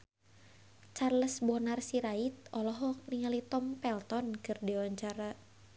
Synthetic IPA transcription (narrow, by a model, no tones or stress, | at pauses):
t͡ʃarləsbɔnarsiɾait̪̚ɔlɔɦɔk̚niŋalit̪ɔmpɛlt̪ɔnkɨrdiwaɲt͡ʃaɾa